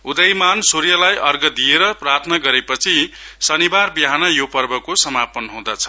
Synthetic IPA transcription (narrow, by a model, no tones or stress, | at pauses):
ud̪ʌjmansoɾijʌlajʔʌrɡʌd̪ieɾʌprat̪ʰʌnʌɡʌɾepʌt͡sʰisʌnibarbiɦanʌjopʌrbʌkosʌmapʌnɦũd̪at͡sʰʌ̥